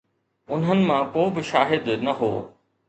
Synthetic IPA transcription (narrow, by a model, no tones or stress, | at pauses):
ʊnɦənɪ̆mãkoːbɪʃaːɦɪd̪nɐɦo̰ː